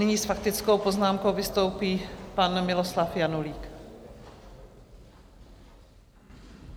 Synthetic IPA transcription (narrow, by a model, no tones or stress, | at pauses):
nɪɲiːsfakt̪ɪt͡skowpoznaːmkowvɪst̪o̞wpiːpanmɪloslafjanuliːk